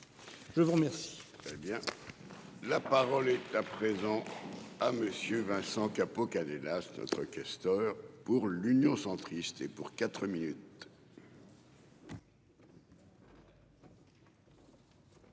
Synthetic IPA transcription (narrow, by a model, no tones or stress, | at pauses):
ʒəvuʁmɛʁsi̥t̪ɛbjɛ̃ | lapaʁɔlɛt̪apχezɑ̃aməsjøvɛ̃sɑ̃kapokanɛlasnɔ̰t̪χəkʲɛst̪œːʁpuʁlynjɔ̃sɑ̃t̪χist̪epuʁkat̪χəminyt̪